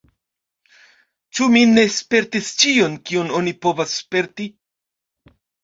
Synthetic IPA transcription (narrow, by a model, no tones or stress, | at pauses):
t͡ʃumine̞spe̞ɾtist͡ʃio̞nkiono̞nipo̞vasːpe̞ɾti